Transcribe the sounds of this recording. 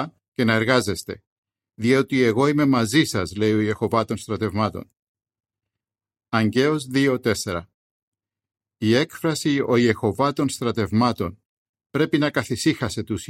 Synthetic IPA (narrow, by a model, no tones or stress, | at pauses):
ce̞nɐe̞ɾɣɐze̞st̪e̞̰ | ðio̞t̪ie̞ɣo̞ime̞mɐzisɐzle̞io̞ije̞xo̞vɐt̪o̞nst̪ɾɐt̪e̞vmɐt̪o̞̰n | ɐɲɟe̞ozðio̞t̪e̞se̞ɾɐ | ie̞kfɾɐsio̞ie̞xo̞vɐt̪o̞nst̪ɾɐt̪e̞vmɐt̪o̞n | pɾe̞pinɐkɐθisixɐse̞t̪us